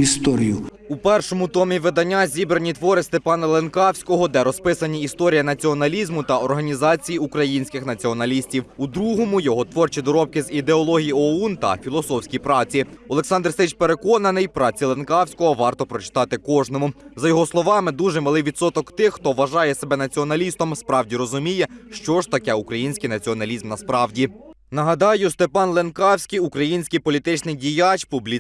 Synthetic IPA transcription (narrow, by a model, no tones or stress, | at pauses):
ist̪ɔɾʲijʊ | upɛrʃɔmʊt̪ɔmʲiʋɪd̪ɐnʲːazʲibɾenʲit̪ʋɔɾɪst̪epɑnɐlˠenkɑwsʲkɔɦɔd̪ɛɾɔspɪsɐnʲiist̪ɔɾʲijɐnɐt͡sʲiɔnɐlʲizmʊt̪ɐɔrɦɐnʲizɑt͡sʲijiukɾɐjinʲsʲkɪxnɐt͡sʲiɔnɐlʲisʲtʲiwud̪ɾuɦɔmʊjɔɦɔt̪ʋɔrt͡ʃid̪ɔɾɔp̚kɪzid̪eɔlˠɔɦʲijiɔunt̪ɐ̰fʲilˠɔsɔwsʲkʲijpɾɑt͡sʲiɔlˠeksɑnd̪rst̪ɪt͡ʃpeɾe̞kɔnɐnɪjpɾɑt͡sʲilˠenkɑwsʲkɔɦɔʋɑrt̪ɔpɾɔt͡ʃɪ̥t̪ɑt̪ɪkɔʒnɔmʊzɐjɔɦɔslˠɔʋɑmɪd̪uʒɛmɐlˠɪwʋʲit̪sɔt̪ɔkt̪ɪxːt̪ɔʋɐʒɑjɛsebɛnɐt͡sʲiɔnɐlʲist̪ɔmspɾɑwdʲiɾɔzʊmʲijɛʃt͡ʃɔʒt̪ɐkɛukɾɐjinʲsʲkɪjnɐt͡sʲiɔnɐlʲizmnɐspɾɑwdʲinɐɦɐd̪ɑjʊst̪e̞pɑnlˠenkɑwsʲkʲijukɾɐjinʲsʲkijpɔlʲit̪ɪt͡ʃnɪjdʲijat͡ʃpublʲi